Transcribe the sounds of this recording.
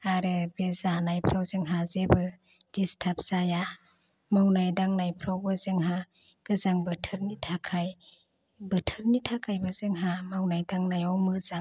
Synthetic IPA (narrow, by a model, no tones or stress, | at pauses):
aɾɯbezanajpʰɾawzɯŋɦazebɯ | d̥istʰap̚z̥aja | mawnajdaŋnajpʰɾawbɯzɯŋɦa | ɡ̥ɯzaŋbɯtʰɯɾnitʰakʰaj | bɯtʰɯɾnitʰakʰajbɯzɯŋɦamawnajdaŋnajɔwmɯza